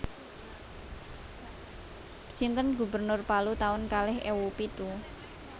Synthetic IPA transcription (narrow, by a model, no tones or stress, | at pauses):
sint̪ənɡubərnʊrpalut̪aʊnkalɪɦewupit̪u